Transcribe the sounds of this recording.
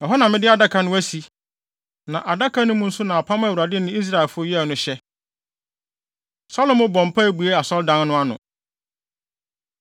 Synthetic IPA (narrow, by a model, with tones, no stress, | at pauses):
jɔ˨ɦa˦nã˨mɪ̃˦dɪ˦a˨da˦kʰa˨nʊ̃˦æ˦si˨ | nã˨ʔa˨da˦kʰa˦nʊ̃˦mʊ̃˦n̩˦sʊ˦nã˨a˨pʰã˦mã˦˨wu˨ɾa˨dɪ˦nʊ̃˦i˦s̬ɾa˦˨ɛ˨lfʊ˦o˦jɛ˦˨nʊ̃˦ɕɛ˦ | sɔ˦lʊ̃˦mʊ̃˦bɔ̃˨m˨pʰa˦bu˨e˦a˨sɔ˦ldã˦n˦nʊ̃˦a˦nʊ̰̃˨